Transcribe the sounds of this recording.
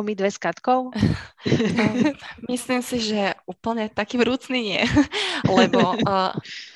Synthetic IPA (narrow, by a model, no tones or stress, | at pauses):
mid̪ʋɛskat̪kɔʊ | mislimsiʒɛuːpl̩ɲɛt̪akiːvɾuːt͡sniːɲɪɛ̰lɛbɔ